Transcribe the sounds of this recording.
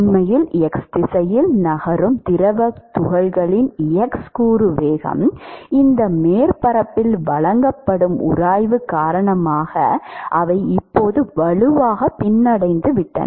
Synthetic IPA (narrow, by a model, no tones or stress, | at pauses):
nmɐjɪlɛksd̪ɪsɐjɪlnɐɣɐɾɯmt̪ɪɾɐʋɐt̪ʊɣɐlɣɐɭɪnɪjɐkskuːɾɯʋeːɣɐ̰mɪnd̪ɐmeːɾpɐɾɐpːɪlʋɐɭɐŋɡɐpːɐɽɯmʔʊ̰ɾaːjʋɯkːaːɾɐɳɐmaːɣɐ̰ʔɐʋɐɪɪpːoːðɯʋɐɭɯʋaːɣɐpːɪnːɐɽɐɪnd̪ɯʋɪʈːɐ̰n